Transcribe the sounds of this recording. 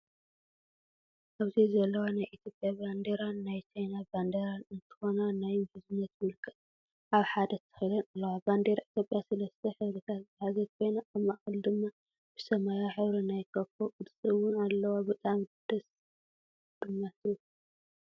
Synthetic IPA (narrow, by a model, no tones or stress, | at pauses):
ʔaβzizɐlːɐwanajʔit̪ʰjo̞pʼjaband̪eɾanːajt͡ʃʰajnaband̪eɾanɨnt̪ʰɨ̥xo̞nanajmhɨzɨnːɐt̪mɨlkʼɨ | ʔaβħad̪ɐt̪ʰːɨ̥xilɐnalːɐwaband̪eɾaʔit̪ʰjo̞pʼjasɐlɐst̪ʰɐħɨβɾɨt̪ʰat̪zɨħazɐt̪̚kʰo̞jnaʔɐmaʔxɨld̪ɨmːa | b̥ɨsɐmajaħɨβɾinajkʰɐfokʼɨd̪sʼɨwʊnalːɐwabɨt̪ʼamd̪̥ɐs | d̪̥ɨɲːat̪ɨju